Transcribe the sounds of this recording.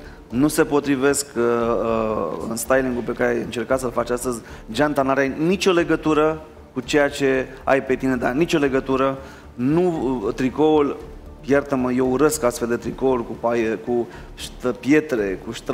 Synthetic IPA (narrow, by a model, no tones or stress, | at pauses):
nuse̞po̞t̪ɾive̞sk | ɨ̰nst̪ajliŋɡulpe̞kaɾeajɨnt͡ʃe̞rkat̪səlfat͡ʃast̪əzʲd͡ʒant̪anaɾajnit͡ʃʲo̞le̞ɡət̪uɾə | kut͡ʃe̞jat͡ʃe̞ | a̰jpe̞t̪ine̞d̪anit͡ʃʲo̞le̞ɡət̪uɾə | nut̪ɾiko̞ul | jart̪əməjeuɾeskast̪fe̞ld̪e̞t̪ɾiko̞ulkupajeku | ʃəpje̞t̪ɾe̞kuʃt̪ɾ